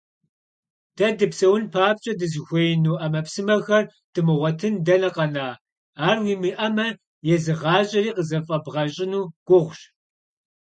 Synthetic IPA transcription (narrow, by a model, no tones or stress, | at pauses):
d̥ɐdɨpsɐwʊnpʰaːp̚ɕʼɐdɨzɨxʷejnuːʔɐmɐpsɨmɐxɐr | d̥ɨmɨʁʷɔtʰɨndɐnɐqɐnaː | aːrwiːmiʔɐmɐ | jɛzɨʁɑːɕʼɐɾiːqəzɐfʼɐbʁɐɕʼɪnuːɡ̥ʷʊʁʷɕ